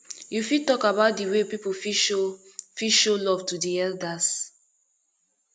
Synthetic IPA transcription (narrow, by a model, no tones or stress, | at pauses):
jufitɔkabaʊt̚diwepipofi | fiʃolɔv̥tudiɛldas